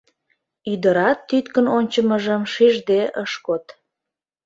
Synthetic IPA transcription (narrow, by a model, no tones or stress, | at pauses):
yd̪əɾɑt̪ːyt̪kənonʲt͡ɕəməʒəmʃiʒd̪eʔəʃkot̪